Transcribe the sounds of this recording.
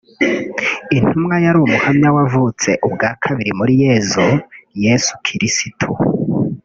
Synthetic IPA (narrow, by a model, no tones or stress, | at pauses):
in̥humŋajaɾuumuhamɲawavut͡se̞ʔubɡaːkʰaβiɾimuɾije̞zujesu̥kʰiɾisitʰṵ